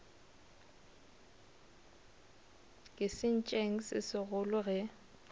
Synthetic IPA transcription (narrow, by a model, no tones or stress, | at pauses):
kʼɪsɪn̩t͡ʃʼeŋ̩sɪ̰sɪɣʊlʊɣɪ